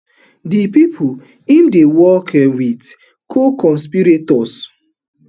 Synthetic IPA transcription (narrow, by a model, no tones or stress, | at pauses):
dipipʰu | ĩmdewɔkɛwit | kʰokɔ̃nspiɾetɔs